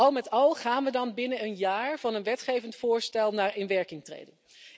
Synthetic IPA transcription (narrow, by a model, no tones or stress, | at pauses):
ɑlˠmɛtɑlˠχaːnʋədɑnbɪnəənjaːɹv̥ɑnənʋɛtχejvəntfʊːɹstɛlˠnaːɹɪnʋɛɹkɪŋtrḛjdən